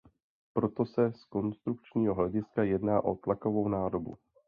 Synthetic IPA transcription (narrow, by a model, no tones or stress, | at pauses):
pɾo̞t̪o̞sɛsko̞nst̪ɾuk̚t͡ʃɲiːɦoɦlɛɟɪskajɛdnaːʔo̞t̪lako̞vo̞wnaːdo̞bṵ